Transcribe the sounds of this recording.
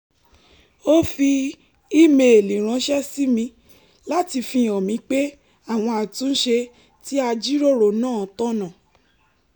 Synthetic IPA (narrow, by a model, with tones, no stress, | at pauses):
o˦fi˧ | i˦me˨lĩ˨ɾ̃ã˨˦ʃɛ˦si˦mĩ˧ | la˦ti˧fĩ˧ɔ˨mĩ˨˧˦k͡pe˦ | a˦˨w̃ɔ̃˧a˨tũ˨˦n̩˦ʃe˧ | ti˦a˧d͡ʒi˦ɾo˦˨ɾo˨nãː˦˨tɔ̃˦nã˨